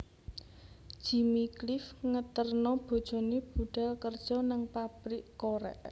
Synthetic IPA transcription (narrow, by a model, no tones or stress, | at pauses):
d̥ʒ̥i̤miklɪfŋət̪ərnɔb̥o̤d̥ʒ̥ɔ̤nib̥uɖ̥alkərd̥ʒ̥ɔ̤nəŋpapɾiʔkoɾɛ̰ʔ